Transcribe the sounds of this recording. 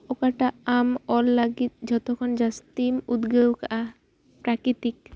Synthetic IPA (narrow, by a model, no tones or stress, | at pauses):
okaʈaamɔlːaɡit̪̚d͡ʒɔt̪okʰɔnd͡ʒast̪imud̪ɡewkaʔa | pɾakɾit̪ik